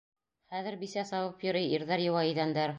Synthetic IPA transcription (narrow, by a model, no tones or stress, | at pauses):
χæðɘ̆ɾbisæsɑwɤpjŏɾɤjiɾðæɾjɤ̆wɑiðænd̪æɾ